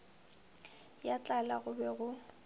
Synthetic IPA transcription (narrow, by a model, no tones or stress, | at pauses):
jat͡ɬʼalaɣʊbɛɣʊ